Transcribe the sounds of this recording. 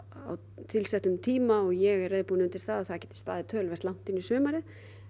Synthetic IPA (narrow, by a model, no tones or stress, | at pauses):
a̰w | t̪ʰɪlsɛht̪ʏmt̪ʰiːmaɔɣjɛɣɛrːejðpuːnɪʏnt̪ɪɾ̥θaðaθaðcɛːt̪ɪ̥st̪aːðɪt̪ʰœːlvɛrt̪lawn̥t̪ɪnːisœːmaɾɪ